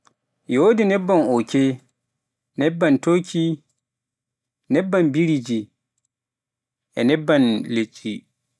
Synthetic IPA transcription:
joːdinɛbːanɔkɛ | nɛbːantokʰi | nɛbːanbiɾid͡ʒi | ʔɛ̰nɛbːanlet͡ʃʼːi

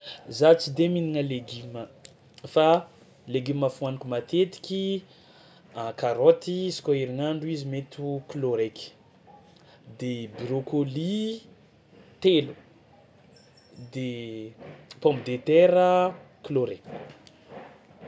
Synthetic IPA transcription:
zat͡sid̪eminiŋəleɡimə | fa | leɡiməfuanikʲumat̪et̪i̥kʲi | akaɾot̪isi̥kʲoiɾiŋaɳɖ͡ʐuizimet̪ukloɾekʲi̥ | d̪ebiɾokoli | t̪elu | d̪e | pɔmbd̪et̪ɛɾə | kloɾek

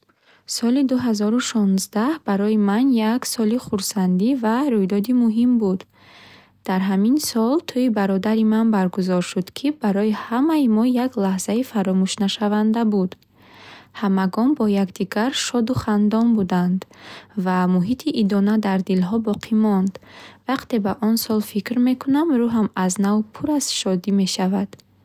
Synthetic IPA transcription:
sɔlid̪uɦazɔɾuʃɔnzd̪ahbaɾɔimanjaksɔliχuɾsand̪ivaɾujd̪ɔd̪imuɦimbud̪ | d̪̥aɾɦaminsɔlt̪ʰuibaɾɔd̪aɾimanbaɾɡuzɔɾʃud̪kʰibaɾɔihamaimɔjaɡlahzaifaɾɔmuʃnaʃavand̪abud̪ | hamaɡɔnbɔjakd̪iɡaɾʃɔd̪uχand̪ɔnbud̪and̪vamuɦit̪ʰiʔːd̪ɔnad̪aɾd̪ilɦɔbɔqʰimɔnd̪vaqt̪e̞baʔɔnsɔlfikɾme̞kʰunamɾuɦamaznavpʰuɾazʃɔd̪ime̞ʃavad̪̥

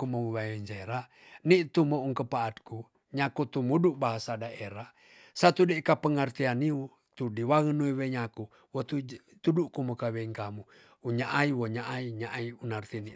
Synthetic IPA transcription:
kumowiwajoɲd͡ʒaeɾa | nit̪umouŋkəpaːt̪̚ku | ɲakut̪umuduʔbaɦasadaeɾa | sat̪udeikapəŋərt̪ianiu | t̪udiwaŋənuiweɲaku | wot̪u | t̪udukumokaweiŋkamu | uɲaʔaiwoɲaʔaiɲaʔaiunart̪ini

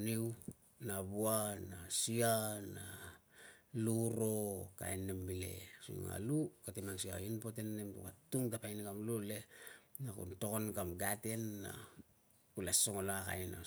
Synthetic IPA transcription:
niw | naβuanasiana | luɾo̞ka̰jnːembile̞̰sṵŋa̰lukatemansia̰inpotenːemtṵkatuŋtapajnikamlule̞nakṵnto̞konkamɡate̞nːa̰ | kulasoŋolaka̰jna̰

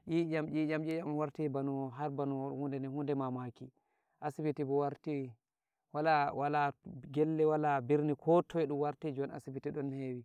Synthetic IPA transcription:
ʔid͡ʒamd͡ʒid͡ʒamd͡ʒijamwaɾtibanuɦaɾbanuhundɛnɛhundɛmamaki | ʔasibitibɔwaɾti | walawalaɡɛlːɛwalabiɾnikʰɔtʰɔɛɗumwaɾtid͡ʒɔna̰sibitiɗɔnheːwi

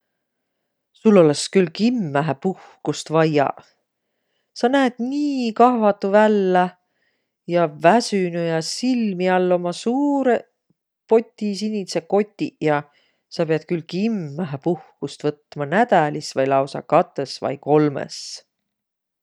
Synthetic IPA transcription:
sulːo̞leskylkimːæɦepuhkust̪vɑjɑ̰ | sɑnæːd̪̥niːkɑhvɑt̪ːˑuvælːæ | jɑvæsynujɑsilmiɑlːo̞mɑsuːɾe | po̞t̪ʲːˑisinʲiseko̞t̪ʲːˑijɑ | sɑpeɑd̪̚kylkimːæɦepuhkust̪vɤt̪ːˑmɑnæd̪̥ælisvɑjlɑwsɑ̰kɑt̪ˑːe̞svɑ̰jko̞lmḛs

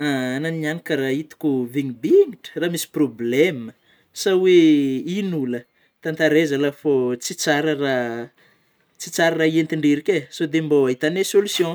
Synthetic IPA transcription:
aananianikʲəɾait̪u̥kʲuviɲibiŋiʈ͡ʂə̥ramisi̥problemə | saweinulə | t̪ant̪aɾezəlafot͡sit͡saɾəra | t͡sit͡saɾaraient̪iɳɖ͡ʐeɾikʲesod̪emboaɦit̪anesolusjõ

